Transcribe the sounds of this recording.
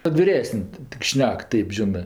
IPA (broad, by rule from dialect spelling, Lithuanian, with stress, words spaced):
kɐt ʋʲɪˈrʲæːsənʲ tʲɪk ˈʃʲnʲɛk ˈtɐɪp ˈʒʲɪnɜ